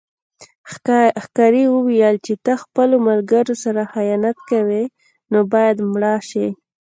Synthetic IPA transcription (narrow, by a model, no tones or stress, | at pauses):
xkɑɾiwəwijəlt͡ʃet̪axpəlomalɡəɾosaɾaxajɑnat̪kawe | nobɑjad̪mɽɑʃi